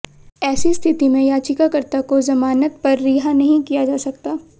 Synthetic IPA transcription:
ɛːsist̪ʰɪt̪imẽjaːt͡ʃɪkakɐɾt̪akozɐmaːnət̪pɐɾːiːɦanɐɦĩkijad͡ʒaːsɐkt̪aː

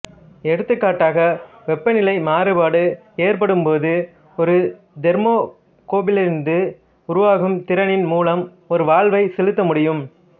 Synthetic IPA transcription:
ɛɽɯt̪ːɯkːaːʈːaːɣɐ | ʋɛpːɐnɪlɐɪmaːɾɯbaːɽɯ | eːɾpɐɽɯmpoːðɯ | ɔɾɯ | d̪ɛɾmoː | koːbɪlɪɾnd̪ɯ | ʊɾʊʋaːɣɯmt̪ɪɾɐnɪnmuːlɐm | ɔɾɯʋaːɭʋɐɪsɛlɯt̪ːɐmʊɽɪjɯm

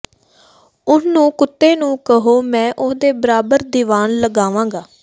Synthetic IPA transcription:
ʊsnũːkʊt̪ːeːnũːkəɦoːmɛ̃ːʔʊsd̪eːbəɾaːbəɾd̪iːʋaːnləɡaːʋãːɡaː

